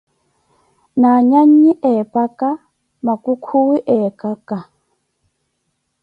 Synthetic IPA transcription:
naːɲaɲːiʔɛːpaka | makukʰuwiʔɛːkaka

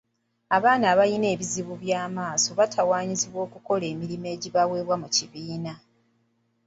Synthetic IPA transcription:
aβaːnaːβajine̞ːβiziβuβjaːmaːso̞βatʰawaːɲiziβwo̞ːkuko̞le̞ːmiɾime̞ːɟiβawe̞ːβwamuciβiːna

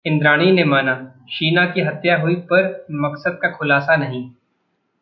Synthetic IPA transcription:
ɪ̃nd̪ɾaːɽ̃inemaːna | ʃiːnakiɦɐt̪jaɦʊipɐɾmɐksəd̪̚kaxʰʊlaːsanɐɦĩː

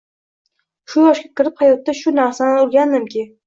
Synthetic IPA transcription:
ʃʊjɒʃkʲakʲʰɪɾɪphajɒt̪ːaʃʊnaɾsanɪʊɾˠɡʲand̪ɪmkʲʰɪ

